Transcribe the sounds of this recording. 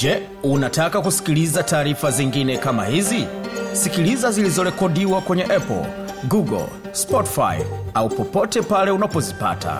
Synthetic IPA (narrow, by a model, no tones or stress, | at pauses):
d͡ʒɛ | unatakakusi̥kilizataːɾifaziŋɡinɛkama̰hizisikilizazilizɔɾɛkɔɗiwakwɛɲɛʔɛpɔ̰l̩ | ɡuɡɔ̰l | spɔti̥fa̰j̰aupɔpɔtɛpalɛunapɔzipa̰ta̰